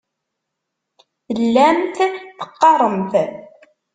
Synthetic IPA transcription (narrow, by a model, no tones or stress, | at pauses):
lːæmθθə̥qːɑɾˤəmθ